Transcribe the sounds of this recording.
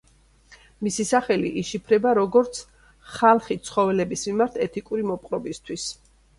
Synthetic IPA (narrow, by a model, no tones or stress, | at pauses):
misisaχɛliʔiʃipʰɾɛbaɾɔɡɔɾt̪sʰ | χalˠχit̪sʰχɔvɛlɛbismimaɾt̪ʰɛt̪ʰikʼuɾimɔpʼqʼɾɔbist̪ʰwis